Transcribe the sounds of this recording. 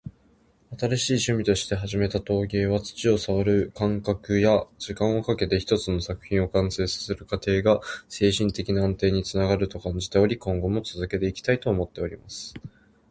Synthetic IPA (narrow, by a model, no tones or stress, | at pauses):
at̪aɾaɕiːɕɨmʲit̪o̞ɕi̥t̪e̞ɦaʑime̞t̪at̪o̞ːɡʲe̞ːβat͡sɨ̥t͡ɕio̞saβaɾɯ̟kãŋkakɯ̟jad͡ʑikãɰ̃o̞kake̞t̪e̞çi̥t̪o̞t͡sɨno̞sakɯ̟̥çĩo̞kãɰ̃se̞ːsḁseɾɯ̟kat̪e̞ːɡase̞ːɕĩnt̪e̞kʲinãːnt̪e̞ːɲ̟it͡sɨnaɡaɾɯ̟t̪o̞kãɲ̟d͡ʑi̥t̪e̞o̞ɾʲikõ̞ŋɡo̞mo̞t͡sɨzɨke̞t̪e̞ikʲi̥t̪ait̪o̞ːmo̞t̪ːe̞o̞ɾʲimasɨ̥